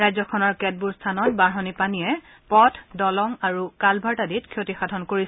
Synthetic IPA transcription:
ɹajzɔkʰɔnɔɹkɛt̚buɹstʰanɔt̚baɹɦɔnipaniɛ | pɔtʰdɔlɔŋaɹukalbʱaɹtaditkʰiotixadʱɔnkoɹis

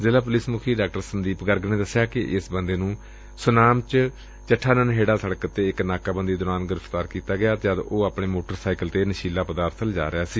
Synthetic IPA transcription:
zeːlaːpʊlɪsmʊkʰiːɖaːk̚ʈəɾsənd̪iːpɡəɾɡnẽːd̪əsɪjaːkɪʔɪsbənd̪eːnũː | sʊnaːmt͡ʃ | t͡ʃəʈʰːaːnənɦeːɽaːsəɽəkət̪ːeːɪknaːkaːbənd̪iːd̪ʊɾaːnɡɪɾəft̪aːɾkiːt̪aːɡɪjaːt̪jaːd̪oːaːpɳeːmoːʈəɾsaːɪkəlt̪eːnəʃiːlaːpəd̪aːɾt̪ʰəld͡ʒa̰ːɾɪaːsiː

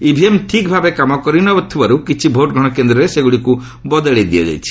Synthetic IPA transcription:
ibʱiemʈʰik̚bʱabekamɔkɔɾinɔt̪ʰibaɾukit͡ʃʰibʱoʈ̚ɡʱɔɽ̃ɔkend̪ɾɔɾeseɡuɽiku | bɔd̪ɔɭed̪iɔd͡ʒa̰jt͡ʃʰi̥

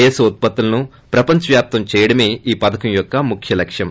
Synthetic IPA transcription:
jesut̪̚pɐt̪ːulɐnu | pɾɐpɐɲt͡ʃɐʋjaːp̚t̪ɐmt͡ʃɛːjɐɽɐme̞ːiːpɐd̪ɐkɐmjɔkːɐmukʰjɐlɐkʂjɐm

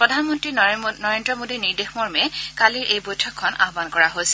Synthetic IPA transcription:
pɹɔdʱanmɔntɹinɔɹendɹɔmodiniɹdexmɔɹmɛkaliɹʔejbojtʰɔkʰːɔna̰ɦbankɔɹaɦojsɛ̥

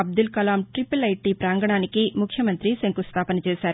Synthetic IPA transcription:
ɐb̚d̪ulkɐlaːmʈɾipulɐjʈːipɾaːŋɡɐɳaːnikimukʰjɐmɐnt̪ɾiseŋkust̪ʰaːpɐnɐt͡ʃɛːsaːɾu

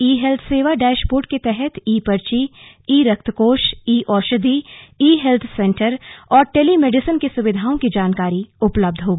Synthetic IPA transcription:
iːɦɛlt̪ʰseːʋaɖaːʃpoːɾʈ̚ket̪ɛɦɛt̪ʰiːpɐɾt͡ʃi | iːɾɐkt̪ʰkoːʃiːʔɔːʃəd̪ʱiiːɦɛlt̪ʰsɛ̃ːɳʈəɾɔːɾʈeːlimeːɖɪsənkesʊʋɪd̪ʱaːõkid͡ʒaːnkaːɾiʊpləb̚d̪ʱɦoːɡː

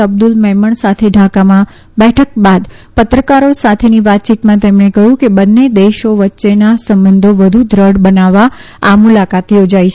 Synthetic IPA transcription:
əbd̪ulmɛɦməɳsat̪ʰeɖʱakamã | bɛʈʰək̚bad̪pət̪ɾəkaɾosat̪ʰeniʋat̪̚t͡ʃit̪mãt̪emɳ̃ekəɦũkebənːed̪eʃoʋətːʃenasəmbənd̪ʱoʋəd̪ʱud̪ʱɾəɽbənaʋːa | amulakat̪jod͡ʒait͡ʃʰ

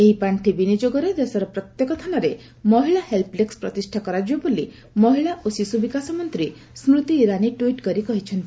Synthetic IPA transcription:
eɦipaɳʈʰibinid͡ʒoɡɔɾed̪esɔɾɔpɾɔt̪jekɔt̪ʰanɔɾe | mɔɦiɭahelplekspɾɔ̰t̪isʈʰakɔɾad͡ʒibɔbuli | mɔɦiɭaʔosisubikasɔmɔnt̪ɾi | smɾut̪iːɾaniʈuiʈkɔɾikɔɦit͡ʃʰɔnt̪i

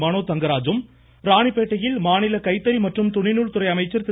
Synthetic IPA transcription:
maːnoːt̪ɐŋɡɐɾaːd͡ʒɯm | ɾaːɳipːeːʈːɐjɪlmaːnɪlɐkɐɪt̪ːɐɾimɐʈrɯmt̪ʊɳɪnuːɭt̪ʊɾɐɪɐmɐɪt͡ʃːɐɾt̪

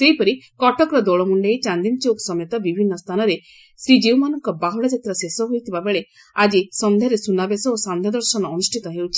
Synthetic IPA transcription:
seɦjpɔɾikɔʈɔkɾɔd̪oɭɔmuɳɖejt͡ʃand̪imt͡ʃoksɔmjet̪abibʱinːɔst̪ʰanɔɾe | sɾid͡ʒewmanɔŋkɔbaɦɔɽɔd͡ʒat̪ɾɔsesɔɦojt̪ʰibabeɭe | ad͡ʒisɔnd̪ʱaɾesunabesɔosand̪ʱjɔd̪ɔɾsɔnɔːnusʈʰit̪ɔɦewt͡ʃʰi̥

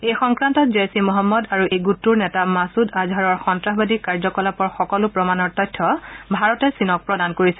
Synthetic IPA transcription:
ejxɔŋkɹantɔt̚zesimɔɦɔmːɔdaɹuʔejɡutːuɹnɛtamasudazʱaɹɔɹxɔntɹaɦbadikaɹzɔkɔlapɔɹxɔkɔlʊpɹɔmanɔɹtɔjtʰːɔbʱaɹɔtɛsinɔk̚pɹɔdankoɹisɛ

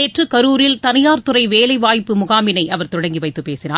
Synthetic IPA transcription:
eːʈrɯkɐɾuːɾɪlt̪ɐnɐjaːɾt̪ɯrɐɪʋeːlɐɪʋaːjpːɯmʊɣaːmɪnɐɪʔɐʋɐɾt̪ɔɽɐŋɡiʋɐɪt̪ːɯpeːsɪnaː

